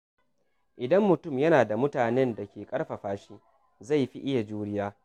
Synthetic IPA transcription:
ʔɪ˨dɐ˦mːʊ˨tʊ˦˨mjɐ˦naː˨da˨mʊ˦taː˨nɛ˦nda˨kʲeː˨kʼɐ˦ɽɸɐ˨ɸaː˦ʃiː˦ | za˦˨jɸḭ˦ʔɪ˦ja˨d͡ʒuː˦ɽɪ˦jaː˦

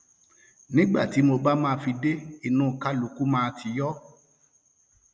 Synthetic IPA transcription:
nĩ˦ɡ͡ba̰˦˨ti˨˦mo˧ba˦mãː˦˧fi˧de˦i˨nũː˨ka˦lu˨ku˨˦mãː˦˧tʰi˧jɔ˦

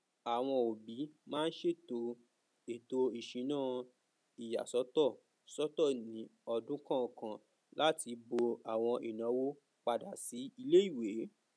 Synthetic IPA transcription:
a˨w̃ɔ̃˧o˨bi˨˦mãː˦n̩˦ʃe˦˨to˧ | e˨to˧i˨ʃĩ˨˦nãː˦˨ | i˨ja̰˨sɔ˨˦tɔ˦˨ | sɔ˦tɔ˦˨nĩ˨˦ɔ˧dũ˦kã˦˨kã˨ | la˦ti˧bo˧a˨w̃ɔ̃˧ʔi˨nã˨˦wo˦ | k͡pa˧da˨si˨˦i˧le˦i˦˨we˨˦

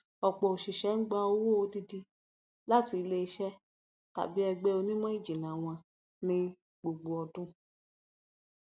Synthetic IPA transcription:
ɔ˨k͡pɔ˨o˨ʃi˨ʃɛ˨˦n̩˦ɡ͡ba˧o˧˦wo˦o˧di˦di˧ | la˦ti˧i˧le˧i˧˦ʃɛ˦ | ta̰˨bi˨˦ɛ˧ɡ͡bɛ˦o˧nĩ˦mã˦i˦˨d͡ʒi˨nã˨w̃ɔ̃˧ | nĩ˧ | ɡ͡bo˨ɡ͡bo˨ɔ˧dũ˦

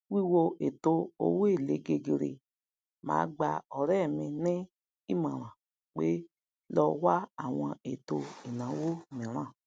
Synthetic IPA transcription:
wi˦˨wo˧ʔe˨to˧o̰˧we˦˨le˨˧˦ɡe˧ɡe˧ɾḛ˧ | mã̰ː˨˦˧ɡ͡ba˧ɔ˨ɾɛ˦˨mĩ˧nĩ˦ | i˦mã˨ɾ̃ã˨ | k͡pe˦ | lɔ˧wa˦a˦˨w̃ɔ̃˧e˨to˧i˨nã˨˦wo˦mĩ˨ɾ̃ã˦˨

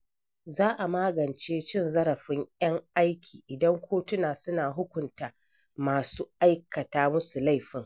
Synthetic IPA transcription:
zaː˦ʔa˨maː˦ɡɐ˨nt͡ʃeː˦t͡ʃɪ˦˨nzɐ˦ɾɐ˨ɸɪ˦ŋjɐ˦ŋʔa˦jkʲʰiː˨ʔɪ˨dɐ˦ŋkʷʰoː˦tʊ˦naː˨sʊ˦naː˨ɦʊ˦kʷʊ˨ntaː˨ | maː˨suː˦ʔa˦jkɐ˨taː˦mʊ˦su˨la˦˨jɸɪ˦ŋ

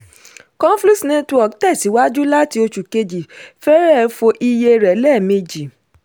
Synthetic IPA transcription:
kɔ̃˦fli˦snẽ˧tu˦ɔ˨ktɛ˦˨si˨˦wa˦d͡ʒu˦la˦˨ti˧˦o˧t͡ʃu˨ke˧d͡ʒi˨fɛ˦ɾɛ˦˨˧fo˧ʔi˧je˧ɾɛ˨˦lɛ˦˨me˧d͡ʒi˨

